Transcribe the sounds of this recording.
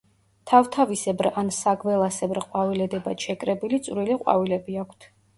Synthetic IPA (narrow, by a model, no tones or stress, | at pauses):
t̪ʰavt̪ʰavisɛbɾansaɡvɛlˠasɛbɾqʼwavilɛd̪ɛbat̪ʃɛkʼɾɛbilit̪sʼvɾiliqʼwa̰vilɛbiakʷʰt̪ʰ